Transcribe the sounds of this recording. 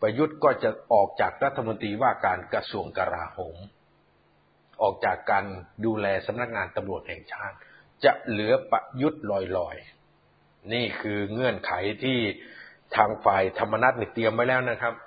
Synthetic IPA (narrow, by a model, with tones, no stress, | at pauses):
pa˧ju˦˥t̪̚kɔː˥˩t͡ɕa˨˩ʔɔː˨˩k̚t͡ɕaː˨˩k̚ɾa˦˥t̪ʰːa˧mo˧nt̪ɾiː˧waː˥˩kaː˧nka˧su˧əŋka˧ɾa̰ː˧hoː˩˦m | ʔɔː˨˩k̚t͡ɕaː˨˩kːaː˧nduː˧lɛː˧sa˨˩˦mna˦˥k̚ŋaː˧nt̪a˧mɾu˨˩ət̪̚hɛː˨˩ŋt͡ɕʰaː˥˩t̪̚ | t͡ɕa˨˩ʔlɯ˩˦ɐpa˧ju˦˥t̪̚lɔː˨˩jlɔː˨˩j | niː˥˩kʰɯː˧ŋɤ˧˩ənkʰa˩˦jt̪ʰiː˥˩t̪ʰaː˧ŋfaː˨˩jt̪ʰa˧mːa˧na˦˥t̪̚niː˧˥˩t̪i˧əmːa˧jlɛː˦˥wna˥˩kʰa˦˥p̚